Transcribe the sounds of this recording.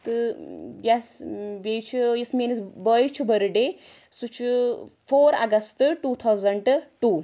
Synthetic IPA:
t̪ɨjasbejt͡ʃʰujismenisbəjt͡ʃʰibəɾɖe | sut͡ʃʰufoɾɐ̰ɡɐst̪ʈut̪ʰawzɐɳɖʈuː

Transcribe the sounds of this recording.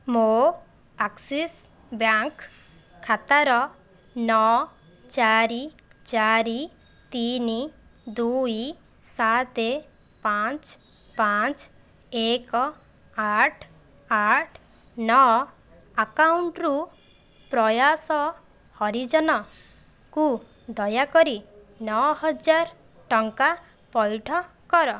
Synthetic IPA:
mo | aksis | bjaŋkʰː | at̪aɾɔ | nɔ | t͡ʃaɾi | t͡ʃaɾi | t̪ini | d̪uj | sat̪e | pãt͡ʃ | pat͡ʃ | ekɔ | aʈʰ | aʈʰ | nɔ | akawɳʈɾu | pɾɔjasɔ | hɔɾid͡ʒɔnɔ | ku | d̪ɔjakɔɾi | nɔɦɔd͡ʒaɾ | ʈɔŋka | pɔjʈʰɔ | kɔɾɔ

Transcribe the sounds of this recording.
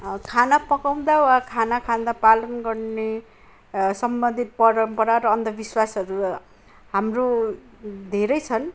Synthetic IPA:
kʰanapʌkaw̃d̪awakʰanakʰad̪apalʌnɡʌrne | sʌmbʌnd̪ʱit̪̚pʌɾʌmpʌɾaɾʌːnd̪ʌbiswasʌɾu | ɦamro | d̪ʱeɾʌjt͡sʰʌn

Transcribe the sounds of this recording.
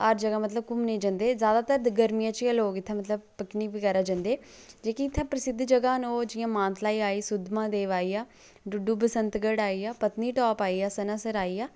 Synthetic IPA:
əɾd͡ʒəɡaːmət̪ləb̚kʊmneĩːd͡ʒə̃ːnd̪eːzjaːd̪aːt̪əɾd̪ɡəɾmijãːt͡ʃːəloːkɪt̪ʰːãːmət̪ləbpəkniːpiːkəɾaːd͡ʒãnd̪eː | d͡ʒeːkiɪt̪ʰːãːpɾəsɪd̪d͡ʒəɡaːnoːd͡ʒɪjãːmãːnt̪laːiːaːiːsʊd̪mãːd̪eːʋaːiːaː | ɖʊɖuːbəsənt̪ɡəɽaːiːaːpət̪niːʈɔːpaːiːaːsənãːsəɾaːiːaː

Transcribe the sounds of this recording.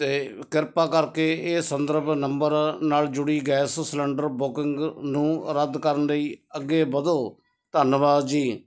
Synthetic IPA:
t̪eːkɪɾpaːkəɾkeːeːsənd̪əɾbʱnəmbəɾnaːld͡ʒʊɽiːɡɛːssləɳɖəɾbʊkɪŋɡnũːɾəd̪kəɾənləiːəɡːeːbəd̪oː | t̪ənʋaːd͡ʒiː

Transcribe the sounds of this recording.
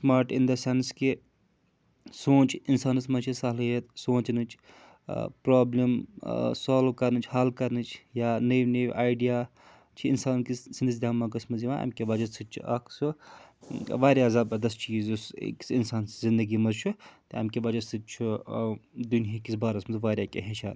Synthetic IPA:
smaːɾʈind̪ɐsanski | sõːt͡ʃʰinsaːnɨsmɐzt͡ʃʰisaɦlɦet̪soːt͡ʃnɨt͡ʃʰ | pɾaːblimsaːlʋkɐɾnɨt͡ʃʰhaːlkɐɾnɨt͡ʃʰjanɐʋnɐʋʲʔa̰ːjɖijaː | t͡ʃʰiḭnsaːnkisind̪ɨs̬d̪ʲaːmːɐkɐsmɐziʋãɐ̰ːmkʲebaːd͡ʒɐsɨt͡ʃʰṵɐkʰsu | ʋaːɾʲjaːzabɐd̪ɐst͡ʃiːzusḛksinsaːnszind̪ɐɡimɐzt͡ʃʰut̪iɐ̰mkebad͡ʒɐsɨt̪̚t͡ʃʰu | d̪unɦikisbaːɾɐsmɐzʋaːɾʲjaːkʲḛɦet͡ʃʰa̰ːn

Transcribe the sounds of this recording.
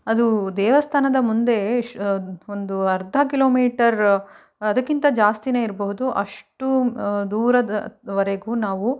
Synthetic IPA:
ɐd̪ud̪ɛːʋɐst̪ʰaːnɐd̪ɐmund̪e̞ | ond̪uɐɾd̪ʱɐkilo̞ːmiːʈɐɾ | ɐd̪ɐkːint̪ɐd͡ʒaːst̪ine̞ːiɾbɐɦud̪uʔɐ̰ʂʈud̪uːɾɐd̪ɐʋɐɾeɡuːnaːʋu

